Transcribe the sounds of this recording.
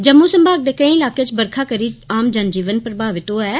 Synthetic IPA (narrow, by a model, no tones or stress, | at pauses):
d͡ʒəmːuːsəmbʱaːɡ̚d̪eːkəĩːɪlaːkeːt͡ʃbəɾkʰaːkəɾiːaːmd͡ʒənd͡ʒiːʋənpɾəbʱaːʋɪt̪oːɛː